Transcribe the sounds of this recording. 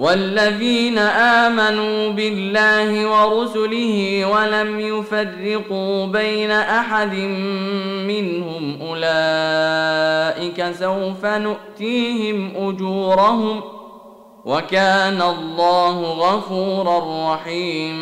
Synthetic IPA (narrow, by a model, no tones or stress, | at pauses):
walːaðiːnaʔaːmanuːbɪlːaːhɪwɑɾʊsʊlɪhɪːwalamjʊfarːɪquːbajnaʔaħad̪ɪmː | ɪnhʊmʔʊlaː | ʔɪkasawfanʊʔt̪iːɦɪmʔʊd͡ʒuːɾɑhʊm | wʔakaːnalˤːɑːhʊɣɑfuːɾarˤːɑħiːm